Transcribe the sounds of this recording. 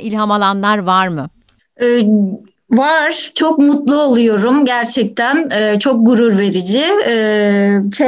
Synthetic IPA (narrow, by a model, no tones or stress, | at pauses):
ilʲɦamalˠanlˠaɾvaɾmɯ | ɛː | vaɾ̥t͡ʃʰo̞k̚mut̪lˠuolˠujo̞ɾumɟæɾt͡ʃʰɛc̚t̪ʰænɛːt͡ʃʰo̞k̚ɡuɾuɾve̞ɾid͡ʒɪɛːt͡ʃʰɛ